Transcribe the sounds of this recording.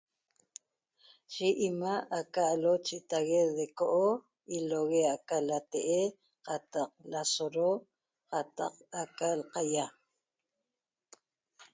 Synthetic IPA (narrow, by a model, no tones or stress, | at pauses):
ʃiʔimaakaːlot͡ʃit̪aɣeðekoʔo | iloɣeakalat̪eʔe | qɑt̪ɑq̚lasoɾo | qɑt̪ɑ̰qakalqaja